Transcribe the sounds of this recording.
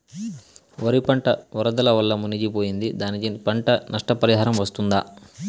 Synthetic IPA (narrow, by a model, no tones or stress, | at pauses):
ʋɐɾipɐɳʈɐʋɔɾɐd̪ɐlɐʋɐlːɐmunid͡ʒipo̞ːjind̪id̪aːnit͡ʃenipɐɳʈɐnɐʂʈɐpɐɾiɦaːɾɐmʋɐst̪und̪a